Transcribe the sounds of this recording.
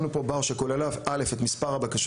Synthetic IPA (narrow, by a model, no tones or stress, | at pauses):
nupo̞baʁʃekolalavʔale̞fe̞t̪mispaʁhabakaʃ